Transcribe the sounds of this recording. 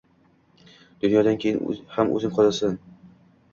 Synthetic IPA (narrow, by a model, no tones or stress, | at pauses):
d̪̥ʊnjɒd̪ankʲʰejɪnhamʔɵ̰zɪmqʰɒzasɪn